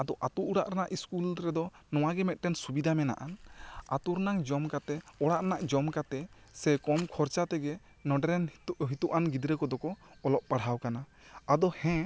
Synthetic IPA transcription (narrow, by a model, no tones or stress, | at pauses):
ad̪ɔʔat̪uʔuɽaʔɾanaʔiskulɾɛd̪ɔ | nɔw̃aɡɛmɛt̪̚ˀʈɛnsubid̪ʱamɛna̰ʔanat̪uɾnaŋd͡ʒɔmkat̪ɛɔɽaʔɾanaʔd͡ʒɔmkat̪ɛsɛkɔmkʰɔɾt͡ʃat̪ɛɡɛ | nɔɖɛɾɛnɦit̪uʔanɡid̪ɾɛkɔd̪ɔkɔːlɔp̚paɽ̤ɦawkana | ad̪ɔhɛ̃